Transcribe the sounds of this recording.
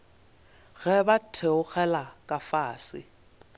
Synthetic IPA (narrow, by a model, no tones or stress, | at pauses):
ɣɛbatʰeʊɣɛlakʼafaːsɪ̰